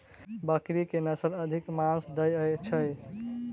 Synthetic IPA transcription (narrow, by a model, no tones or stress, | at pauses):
bəkɾikenəsəɾəd̪ʱikmãsd̪əjəjt͡ʃʰəj